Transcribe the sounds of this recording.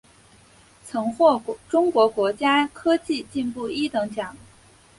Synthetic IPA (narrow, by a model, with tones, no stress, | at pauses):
t͡sʰɤ˧˥ŋxwɔ˥˩ʈ͡ʂʊ˥ŋkwɔ˧˥kwɔ˧˥t͡ɕja˥kʰɤ˥t͡ɕi˥˧t͡ɕi˥˧npu˥˩i˥t̪ɤ˧˥ŋt͡ɕjɑ˨˩˦ŋ